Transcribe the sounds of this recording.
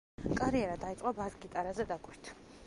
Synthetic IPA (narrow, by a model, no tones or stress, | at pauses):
kʼaɾiɛɾad̪ait̪sʼqʼabazɡit̪ʼaɾazɛd̪akʼwiɾt̪ʰ